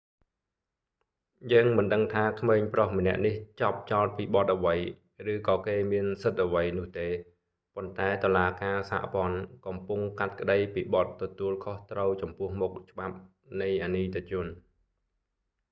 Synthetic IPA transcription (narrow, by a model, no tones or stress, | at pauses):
jəːŋmɨnɗəŋt̪ʰaːkʰmeːɲprohmənɛ̆əʔniht͡ɕɑp̚t͡ɕɑɔlt̪̚piːɓɑt̪̚ʔəʋəj | rɨːkɑːkeːmiənsɨt̪̚ʔəʋəjnʊ̆əht̪eː | pont̪aɛt̪olaːkaːsa̰ːʔpŏənkɑmpuŋkat̪̚kə̆ɗəjpiːɓɑt̪ːɔt̪uəlkʰoht̪rəwt͡ɕɑmpʊ̆əhmʊk̚t͡ɕə̆ɓap̚ | nɨjʔaniːt̪ʰet͡ɕʊ̆ən